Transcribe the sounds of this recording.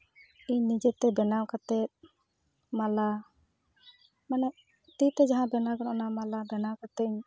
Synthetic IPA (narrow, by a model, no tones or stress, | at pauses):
iɲnid͡ʒɛt̪ɛbɛnawkat̪ɛt̪̚ | mala | manɛ | t̪it̪ɛd͡ʒaɦãbɛnaɡɔnɔnamalabɛnawkat̪ɛiɲ